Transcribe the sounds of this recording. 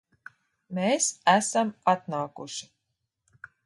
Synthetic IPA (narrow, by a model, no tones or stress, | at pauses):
mʲeːsæsæmat̪naːkuʃi̥